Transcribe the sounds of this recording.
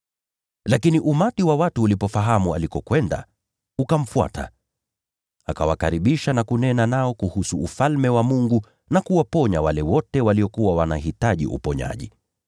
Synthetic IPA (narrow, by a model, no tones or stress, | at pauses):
lakiniʔumatiwawatuːlipɔfaɦamua̰likɔkwɛnda̰ | ukam̩fua̰tʰa̰ | a̰kawakaɾiɓiʃanakunɛnanaɔkuhusuufalmɛwamuŋɡu | nakuwapɔɲawalɛwɔtɛwaliɔkuwawanaɦitaʄḭʔṵpɔɲa̰ʄḭ